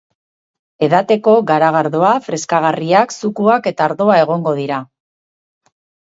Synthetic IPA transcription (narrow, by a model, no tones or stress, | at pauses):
e̞ðat̪e̞ko̞ɣaɾaɣaɾðo̞afɾe̞skaɣ̞ariaksukuake̞t̪aːɾðo̞ae̞ɣ̞o̞ŋɡo̞ð̞iɾa